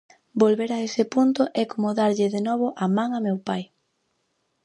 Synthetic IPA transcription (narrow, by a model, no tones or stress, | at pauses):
bolβeɾaesɪpunt̪ʊʔɛkomoðaɾʎɪðenɔβ̞oʔamãŋamewpaj